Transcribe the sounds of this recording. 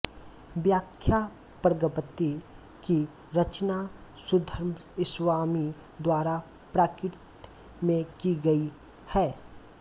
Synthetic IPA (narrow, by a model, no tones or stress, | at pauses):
bjaːkʰja | pəɾɡəpət̪i | ki | ɾət͡ʃnasʊd̪ʱəɾmɪswaːmi | d̪waːɾa | pɾaːkɪɾt̪ | mẽkiɡɐi | hɛː